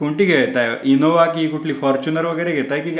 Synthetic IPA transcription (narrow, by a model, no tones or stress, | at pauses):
kuɳʈiɡeʋet̪ajinoʋakikuʈʰliːfɔɾt͡ɕunəɾʋəɡəjɾeɡʱet̪ajekĩŋk